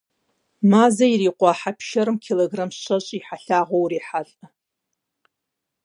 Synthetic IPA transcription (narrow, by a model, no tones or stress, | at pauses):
mazairiqʷʼaːħapʰʃaɾɨmkʰeloɡramsʃʷat͡ʃʷʼiħaɬaʁʷowriħaɬʼa